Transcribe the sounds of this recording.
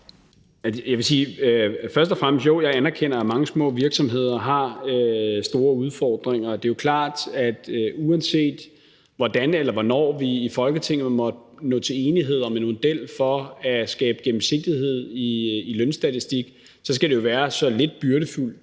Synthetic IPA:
æjɑʋe̝siːfɶɐsd̥ɒ̽fʁam̰sd̥jo̝ʊ̰jɑ̈ɪænæɐkʰen̰ɐæmɑ̈ŋəsmɔ̰̽ːʋiɐɡ̥sɒ̽mɦe̝ð̞̰ˠɐɦɑ̈øsd̥o̝ːɐuð̞ˠfɒ̰ːd̥ʁeŋɐd̥e̝jo̝kʰlɑ̰̈ːd̥æd̥uænse̝̰ːd̥ | ʋɒd̥ænelɐʋɒnɒ̰ːʋiifɒ̽lɡ̥ət͡sʰe̝ŋ̰n̩ˠmɒ̽d̥ | nɔ̰̽ːt͡sʰe̝e̝ːniɦe̝ð̞̰ˠɒ̽menmo̝d̥el̰fɒ̽æsɡ̥ɛːb̥əɡ̥em̩se̝ɡ̥̚d̥iɦe̝ð̞̰ˠiilønsd̥æt͡sʰisd̥iɡ̥ | sɒ̽s̬ɡ̥æd̥e̝jo̝ʋæːɐsɒ̽le̝d̥̚b̥yɐɾəful̰

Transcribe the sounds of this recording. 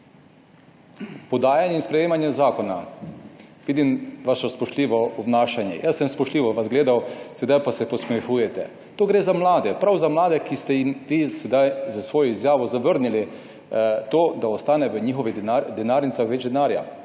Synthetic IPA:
pɔd̪aːjanjɛinspɾɛjeːmanjɛzaːkɔna | ʋiːd̪imʋaʃɔspɔʃt̪liːʋɔɔbnaːʃanjɛ̰jʔasːɛmspɔʃt̪liːʋɔʋazɡleːd̪awsɛd̪ajpasɛpɔsmɛxuːjɛt̪ɛ̰ | t̪oːɡɾeːzamlaːd̪ɛpɾawzamlaːd̪ɛkist̪ɛjimʋisɛd̪ajzasʋoːjɔizjaːʋɔzaʋəɾnili | t̪oːd̪aɔst̪aːnɛʋəɲiːxɔʋiad̪ɛnaːɾnit̪saxʋɛd͡ʒd̪ɛnaːɾja̰

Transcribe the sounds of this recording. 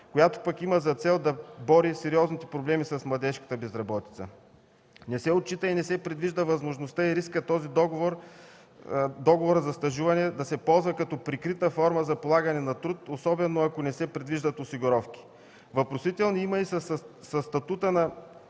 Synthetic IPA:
kojat̪o̥pɐkimɐzɐt̪sɛlˠd̪ɐbɔɾisɛɾiɔznit̪ɛ̥pɾoblɛmisɐsmlˠɐd̪ɛʃkə̥t̪əbɛzɾɐbɔt̪i̥t̪sə̰ | nɛsɛot̪̚t͡ʃːit̪əinɛsɛpɾɛd̪viʒd̪əvɐzmoʒnost̪aiɾiskət̪ɔzid̪ɔɡovoɾ | d̪ɔɡovoɾəzɐst̪ɐʒuvɐnɛd̪ɐsɛpɔlˠzvɐkɐt̪ɔpɾikɾit̪əfɔɾməzɐpolˠaɡɐnɛnɐt̪ɾut̪osɔbɛnoɐkonɛsɛpɾɛd̪viʒd̪ɐt̪osiɡoɾɔfki̥ | vɐpɾosit̪ɛlˠniimɐissɐst̪ɐt̪ut̪ənɐ

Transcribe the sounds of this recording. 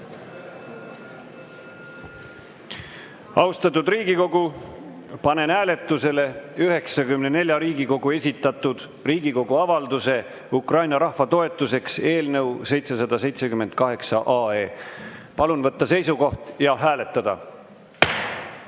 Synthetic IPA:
ɑwst̪ɑt̪ːˑud̪riːɡiko̞ɡ̥u | pɑne̞næːle̞t̪ːˑuse̞le̞yɦe̞ksɑkymne̞ne̞lʲjɑɾiːɡiko̞ɡ̥ue̞sʲit̪ːˑɑt̪ːˑud̪̥ | riːɡiko̞ɡ̥uɑvɑld̪use̞ | ukrɑjnɑɾɑhvɑt̪o̞e̞t̪ːˑuse̞kse̞ːlnɤwse̞jt̪se̞sɑd̪̥ɑse̞jt̪se̞kymend̪̥̚kɑɦe̞ksɑʔɑːe̞ːpɑlunvɤt̪ˑːɑse̞jsuko̞ht̪jɑɦæːle̞t̪ːˑɑd̪̥ɑ̰

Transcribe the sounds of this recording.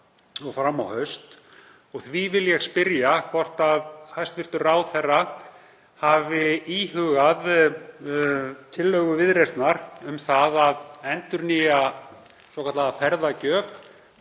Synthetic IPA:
ɔɣfɾamːawhœɥst̪ | ɔɣθvivɪljɛɣspɪɾjakʰɔr̥t̪aðhajst̪vɪr̥t̪ʏraːwθɛrːa | havɪiɦʏɣað | t̪ʰɪlːœɣʏvɪðɾest̪naɾʏmθaðaðɛnt̪ʏɾnia | sɔkʰat̪laafɛɾðacœːv

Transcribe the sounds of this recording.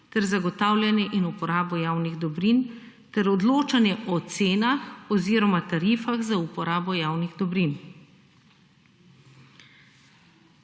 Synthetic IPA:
t̪ɛɾzaɡɔt̪aːwlʲjanjɛʔinupɔɾaːbɔjawniɣd̪ɔbɾin | t̪ɛɾɔd̪loːt͡ʃanjɛʔɔt̪seːnaxɔziːɾɔmat̪aɾiːfaɣzaupɔɾʔaːbɔjaːwniɣd̪ɔbɾin

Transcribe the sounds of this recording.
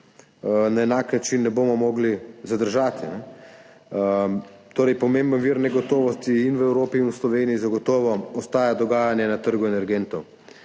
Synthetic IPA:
naɛnaːknat͡ʃinːɛbomɔmɔɡlizad̪əɾʒaːt̪ʰinɛ | t̪oːɾɛjpɔmembənʋiːɾnɛɡɔt̪oːʋɔst̪iːnʋəɛwɾoːpiːnwuslɔʋeːnijizaɡɔt̪ɔːʋɔɔst̪aːjad̪ɔɡaːjanjɛnat̪əɾɡuɛnɛɾɡent̪ɔw

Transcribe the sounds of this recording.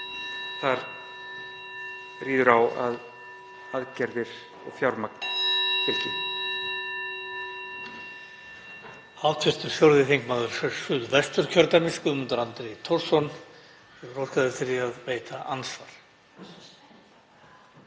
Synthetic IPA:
θaɾ | riːðʏɾawa̰ð | aðcɛɾðɪɾ̥ | ɔ̰ɣfjawɾmak̚nt̪ʰɪlcɪnɪ | aːwt̪ʰvɪst̪ʏɾ̥fjowɾðɪθiŋkmaːðʏɾ̥fʏ̥sʏðvɛst̪ʏɾ̥cʰœɾt̪aɾmɪskʏmʏnt̪aɾant̪ɾejt̪ʰɔrsɔn | ɛɣɾɔwr̥kaðʏɾ̥θɪɾɪaðveːjt̪ʰaʔansvaɾ̥

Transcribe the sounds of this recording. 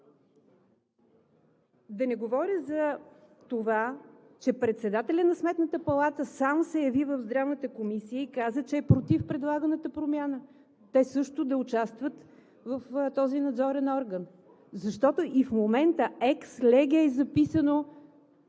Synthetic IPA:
d̪ɐnɛɡovɔɾʲəzɐ | t̪ova | t͡ʃɛpɾɛt̪sɛd̪at̪ɛlʲənɐsmɛt̪nət̪əpɐlˠat̪əsamsɛjɐvivəvzd̪ɾavnət̪əkomisijəikazət͡ʃɛːpɾot̪ifpɾɛd̪lˠaɡənət̪əpɾomjanə | t̪ɛsɤʃt̪ʊd̪ɐʊt͡ʃast̪vət̪ | vəft̪ɔzinɐd̪zɔɾɛnɔɾɡən | zɐʃt̪ɔt̪oʔifmomɛnt̪əɛkslɛɡʲɛːzɐpisəno

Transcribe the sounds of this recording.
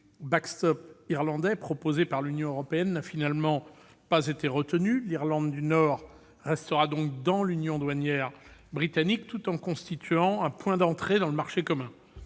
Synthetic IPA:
bakst̪ɔpiʁlɑ̃d̪ɛpχɔpozepaʁlynjɔ̃øʁɔpeɛnːafinalmɑ̃ | pazet̪eʁət̪ənyliʁlɑ̃d̪ːynɔʁː | ɛst̪əʁad̪ɔ̃kd̪ɑ̃lynjɔ̃d̪wanjɛʁbʁit̪anik̚t̪ut̪ɑ̃kɔ̃st̪it̪ɥɑ̃ɛ̃pwɛ̃d̪ɑ̃t̪χed̪ɑ̃ləmaʁʃekɔmɛ̃

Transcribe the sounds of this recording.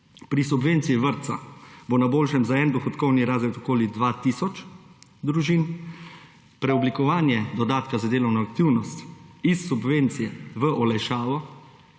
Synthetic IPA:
pɾisubʋent̪sijiʋəɾt̪sa̰bonaboːlʃɛmzaɛnd̪ɔxɔt̪kɔwniɾaːzɾɛt̪ɔkoːlid̪ʋaːt̪isɔt͡ʃd̪ɾuʒiːn | pɾɛɔblikɔʋaːnjɛd̪ɔd̪aːt̪kazad̪eːlɔwnɔak̚t̪iwnɔst̪isːubʋent̪sijɛʋəʔɔlajʃaːʋɔ

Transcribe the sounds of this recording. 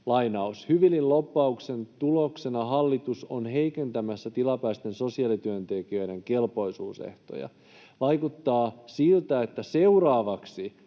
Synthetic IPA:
lɑjnɑushyʋilːillopːɑukse̞nt̪ulo̞kse̞nɑɦɑlːit̪usonɦe̞jke̞nt̪æmæsːæt̪ilɑpæist̪e̞nso̞siɑlit̪yønt̪ekiø̞jde̞ŋke̞lpo̞jsuːsḛht̪o̰jɑ̰ | ʋɑjkut̪ːɑːsilt̪æet̪ːæse̞urɑːʋɑksi

